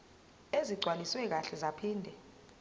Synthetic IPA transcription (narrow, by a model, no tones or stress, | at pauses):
eziɡ͡ǀʱwaliswɛk̬aɬɛzapʰiːndʱɛ